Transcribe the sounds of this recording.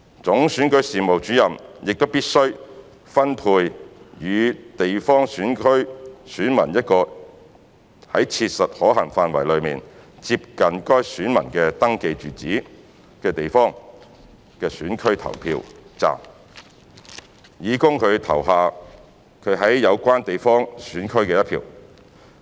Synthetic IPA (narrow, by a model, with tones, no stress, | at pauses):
t͡sʊ˨˥ŋsyː˨˥nkɵ˨˥ɥsiː˨mo˨wt͡ʃyː˨˥jɐ˨mjɪ˨k̚t̪o˥wpiː˥t̚sɵ˥ɥ | fɐ˥npʰuː˧jjyː˨˧t̪e˨jfɔː˥ŋsyː˨˥nkʰɥsyː˨˥nmɐ̰˨˩njɐ˥t̚kɔː˧ | hɐ˨˥jt͡sʰiː˧t̚sɐ˨t̚hɔː˨˥ɦɐ˨˩ŋfaː˧nwɐ˨˩jlɵ˨˧ɥmiː˨nt͡siː˧p̚kɐ˨nkɔː˥jsyː˨˥nmɐ˨˩nkɛː˧t̪ɐ˥ŋke˧jt͡ʃyː˨˩t͡siː˨˥ | kɛː˧t̪e˨jfɔː˥ŋ | kɛː˧syː˨˥nkʰɵ˥ɥt̪ʰɐ̰˨˩wpʰḭː˧wt͡sa̰ː˨m | jiː˨˧kʊ˥ŋkʰɵ˨˧ɥt̪ʰɐ̰˨˩wɦaː˨ | kʰɵ˨˧ɥɦɐ˨˥jːɐ˨˧wkʷaː˥nt̪e˨jfɔː˥ŋsyː˨˥nkʰɵ˥ɥkɛː˧jɐ˥tpʰḭː˧w